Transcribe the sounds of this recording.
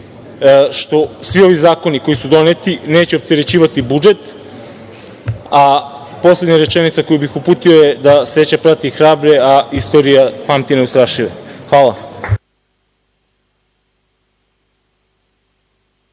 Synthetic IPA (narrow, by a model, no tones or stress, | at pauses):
ʃt̪o̞sʋio̞ʋizaːko̞niko̞jisud̪o̞net̪ineːt͡ɕeop̚t̪eɾe̞t͡ɕiːʋat̪ibud͡ʒe̞t̪ | a | po̞sle̞d̪ɲaɾe̞t͡ʃenit̪sako̞jubixupuːt̪io̞je̞d̪ase̞t͡ɕapɾat̪ixɾaːbɾe̞aist̪o̞ɾijapamt̪ineust̪ɾaːʃiʋexʋaːlˠa